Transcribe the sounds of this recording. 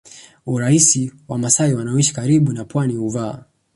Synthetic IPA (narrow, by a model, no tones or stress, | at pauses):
uɾaisiwamasaiwanaɔiʃi̥kaɾiɓunapwaniuvaː